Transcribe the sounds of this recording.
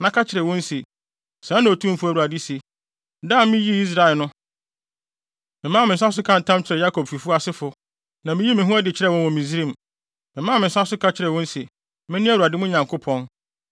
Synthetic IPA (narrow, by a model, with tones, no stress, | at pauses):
nã˦kʰa˦t͡ɕʰɪ˨ɾɛ˨wɔ̃˦n˦se˨ | sãː˨˦nã˨o˨tʰũ˦m˦fʊ˦æ˨u˨a˨di˦se˨ | da˦˨mɪ̃˦ji˦i˦s̬ɾa˨lnʊ̃˦ | mɪ̃˨mã˦˨mɪ̃˨n˨s̬a˦s̬ʊ˦kʰã˦n̩˨tʰã˦mt͡ɕʰɪ˨ɾɛ˨ja˦kʰɔ˨bfi˨fu˦a˦˨sɪ˦fʊ˨ | nã˨mɪ̃˦ji˦mɪ̃˨ɦũ˦ɛ˦dɪ˨t͡ɕʰɪ˦ɾɛ˦˨wɔ̃˦nwɔ̃˨mĩ˨zi˦ɾĩ˦˨m | mɪ̃˨mã˦˨mɪ̃˨˦sa˦sʊ˦kʰa˦t͡ɕʰɪ˨ɾɛ˨wɔ̃˦n̩˦se˨ | mɪ̃˦nɪ̃˦æ˦wu˨a˨dɪ˦mʊ̃˦ɲã˨ŋkʰʊ˦pʰɔ̃˦n